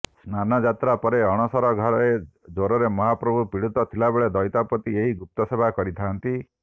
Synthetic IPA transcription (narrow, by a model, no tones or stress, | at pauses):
snanɔd͡ʒat̪ɾapɔɾeɔɽ̃ɔsɔɾɔɡʱɔɾɔe | d͡ʒoɾɔɾemɔɦapɾɔbʱupiɽut̪ɔt̪ʰilabeɭed̪ɔjt̪apɔt̪ieɦiɡup̚t̪ɔsebʱakɔɾit̪ʰant̪i